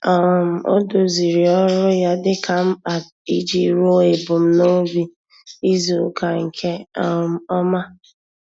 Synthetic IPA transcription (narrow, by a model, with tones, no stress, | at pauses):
ɔ˨m̩˨o̰˦do˨zi˨ɾi˨ɔ˦ɾʊ˦ja˦dɪ˦ka˦m̩˦a˨t | i˦d͡ʒi˦ɾo˦e˨bʊ˨m̩˦no˦bi˦ | i˦zu˨˦ka˨ŋ̩˨kʰe˦ɔ˨m̩˨ɔ˦ma˦